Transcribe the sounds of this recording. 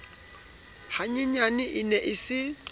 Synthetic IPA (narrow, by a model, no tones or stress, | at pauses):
haɲɪɲanɪʔɪnɛʔɪsɪ